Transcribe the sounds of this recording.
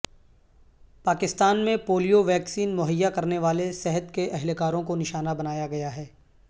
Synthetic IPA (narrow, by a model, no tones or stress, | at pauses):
paːkɪst̪aːnmẽpoːlijoʋɛːksiːnmʊɦəjːakɐɾneʋaːlesɛɦət̪keʔɛɦlkaːɾõkonɪʃaːnabɐnaːjaɡɐjaɦɛː